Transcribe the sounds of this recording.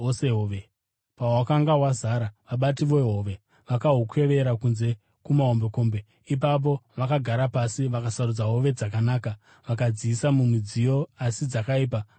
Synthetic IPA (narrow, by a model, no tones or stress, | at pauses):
seɦoʋe | pawakaŋɡawazaɾaʋaɓat̬iʋo̞ɦo̞ːʋe̞ | ʋakaɦukwe̞ʋe̞ɾakunze̞ | kumaɦo̞mbe̞ko̞ːmbe̞ | ip̬ap̬o̞ʋakaɡʱaɾapasiʋakasarud͡zaɦo̞ʋe̞d͡zakanaːka | ʋakad͡ziːsamumid͡zijo̞asid͡zakaiːp̬a